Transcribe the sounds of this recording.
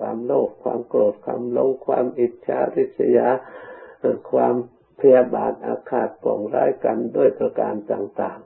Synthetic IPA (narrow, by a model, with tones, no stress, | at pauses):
waː˧mloː˥˩k̚ʰwaː˧mkɾoː˨˩t̪̚kʰaː˧mlo˧˥ŋkʰwaː˧mʔi˨˩t̪̚t͡ɕʰa˧˥ɾi˦˥t̪̚t͡ɕʰa˧ja˧˥˧ | kʰwaː˧m | pʰa˧ja˧baː˨˧˦nʔaː˧kʰaː˧˨˩t̪̚kɔː˨˩ŋɾaː˦˥jka˧ndu˥˩əjpɾa˧kaː˧nt̪aː˨˩ŋt̪aː˨˩ŋ